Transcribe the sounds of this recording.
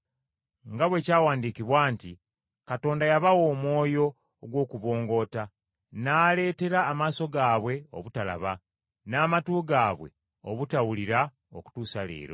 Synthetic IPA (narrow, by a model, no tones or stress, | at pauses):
ŋɡaβweːcaːwaːndiːkiβwaːnti | kato̞ːndajaβawo̞ːmwo̞ːjo̞ː | ɡwo̞ːkuβo̞ːŋɡo̞ːta | naːle̞ːte̞ɾaːmaːso̞ɡaːβwe̞o̞̰βutala̰βa | naːmatuːɡaːβwe̞̰ | oβutawuliɾa | oku̥tuːsalḛːɾo̞̰